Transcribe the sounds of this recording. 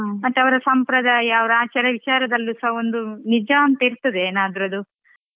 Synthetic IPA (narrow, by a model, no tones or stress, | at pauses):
mɐt̪ːɐʋɐɾɐsɐmpɾɐd̪aːjɐːʋɐɾaːt͡ʃɐɾɐʋit͡ʃaːɾɐd̪ɐlːusɐɦɐo̞nd̪unid͡ʒɐɐnt̪ɐiɾt̪ɐd̪eːnaːd̪ɾɐd̪u